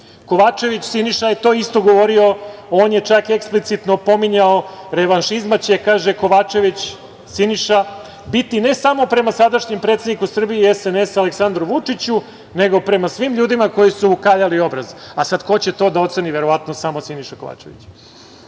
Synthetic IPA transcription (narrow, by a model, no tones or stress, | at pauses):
ko̞ʋat͡ʂe̞ʋit͡ɕsiniʃajet̪o̞ːist̪o̞ɡo̞ʋo̞ɾiooːnje̞t͡ʂakeksplit̪sit̪no̞po̞miɲaoɾe̞ʋanʃizmat͡ɕekaːʒeko̞ʋat͡ʃe̞ʋit͡ɕ | siniʃa | bit̪ine̞samo̞pɾe̞masad̪aʃɲempɾet̪ed̪nikusr̩bieesenesaleksand̪ɾuʋut͡ʂit͡ɕu | ne̞ɡo̞pɾe̞masʋimʎuːd̪imako̞jisuːkaːʎalio̞bɾazasad̪ko̞t͡ɕet̪o̞ːd̪ao̞t̪se̞niʋeɾo̞ʋat̪nosamosiniʃako̞ʋa̰ːt͡ʂḛʋḭt͡ɕ